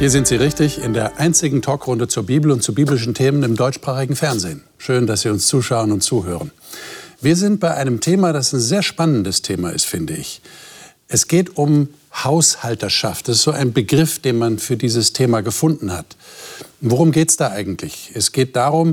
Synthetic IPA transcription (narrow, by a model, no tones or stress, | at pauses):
hiːɐzɪntz̥iːʁɪçtɪçɪndeːɐʔaɪnt͡sɪɡŋ̩tʰɔːkʁʊndət͡suːɐbiːbl̩ʊntt͡subiːblɪʃ̬n̩tʰeːmənɪmdɔʏt͡ʃʃpʁ̥aːχɪɡŋ̩fɛɐnzeːn | ʃøːndasz̥iːʊnst͡suːʃaʊənʊntt͡suːɦø̰ːʁ̞ən | viːɐzɪnt̚b̥aɪʔaɪnəmtʰeːmadasanzeːɐʃpanəndəstʰeːma̰ɪ̰stfɪndəɪ̰ç | ʔɛsɡ̥eːtʊm | haʊshaltɐʃa̰ft̚d̥asɪstz̥oːʔaɪnbəɡʁɪfd̥eːnmanfyːɐdiːzəstʰeːmaɡəfʊndn̩ha̰t | voʁ̞ʊmɡeːtsd̥aːʔaɪɡŋ̩tʰlɪçɛsɡ̥eːt̚d̥aːʁʊm